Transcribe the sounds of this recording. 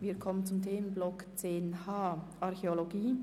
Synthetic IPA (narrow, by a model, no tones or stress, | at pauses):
ʋiːɐkʰɔmənt͡sʊmtʰeːmənblɔkt͡seːnhaːʔɑʁxeoloɡiː